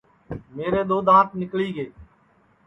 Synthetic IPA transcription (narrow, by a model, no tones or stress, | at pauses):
meːɾeːɗ̪oːd̪ãːt̪̚nɪkliːɡeː